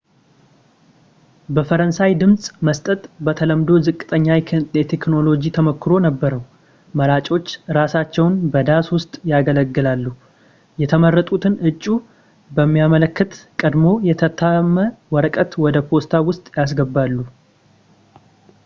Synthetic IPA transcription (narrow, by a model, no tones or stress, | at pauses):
bəfəɾənsajd̪ɨmsʼməst̪ʼət̪ʼbət̪ʰələmd̪o̞zɨkʼːɨt̪ʼəɲːajjɛt̪ʰekno̞lo̞d͡ʒit̪ʰəməkːɨɾo̞nəbːəɾəw | məlat͡ʃʼo̞t͡ʃːɾasat͡ʃːɛwnbəd̪aswʊst̪ʼjaɡələɡːɨlalːu | jɛt̪ʰəmərːət̪ʼut̪ʰɨnʔɨt͡ʃʼːu | bəmːijamələkːɨt̪kʼəd̪mo̞jɛt̪ʰət̪ʰːamːəwɔɾəkʼət̪wɔd̪əpʰo̞st̪ʰawʊst̪ʼjas̬ɡəbːalːu